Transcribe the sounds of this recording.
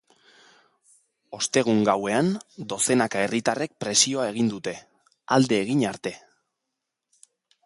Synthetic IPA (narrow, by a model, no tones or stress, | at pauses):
o̞st̪e̞ɣ̞uŋɡawe̞and̪o̞se̞nakae̞rit̪are̞k̚pɾe̞sio̞ae̞ɣ̞ind̪ut̪e̞ | ald̪e̞ːɣ̞iɲaɾt̪e̞